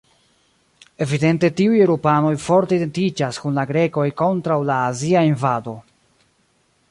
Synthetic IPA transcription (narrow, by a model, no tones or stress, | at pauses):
e̞vide̞nte̞tiujeɾopano̞jfo̞ɾteidentid͡ʒaskunlaɡɾe̞ko̞jko̞ntɾawlaːziainvado̞